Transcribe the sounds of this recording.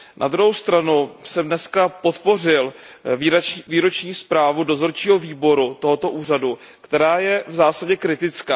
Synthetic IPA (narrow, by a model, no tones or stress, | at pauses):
nʔa̰d̪ɾuɦowst̪ɾanusɛmdnɛskapo̞t̪po̞r̝ɪl | viːɾo̞t͡ʃɲiːspɾaːvudo̞zo̞ɾt͡ʃiːɦo̞viːbo̞ɾut̪o̞ɦo̞t̪o̞ʔuːradu | kt̪ɛɾaːjɛvzaːsaɟɛkɾɪt̪ɪt͡skaː